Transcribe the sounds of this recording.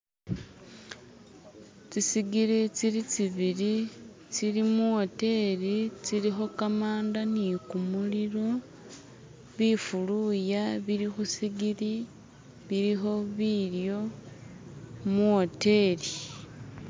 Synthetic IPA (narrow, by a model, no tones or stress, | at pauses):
t͡sisiɡiɾit͡silit͡siβili | t͡silimuote̞ɾit͡siɾixo̞kamaːndanikumuliɾo̞ | βifulujaβiɾixusiɡili | βiɾixo̞βiljo̞ | muote̞li